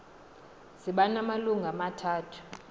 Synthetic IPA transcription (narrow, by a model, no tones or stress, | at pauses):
siɓanamaluŋʱamatʰaːtʰu̥